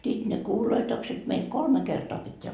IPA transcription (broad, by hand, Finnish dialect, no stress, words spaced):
sit ne kuːloitokset meil kolme kertoɑ pitʲːeæ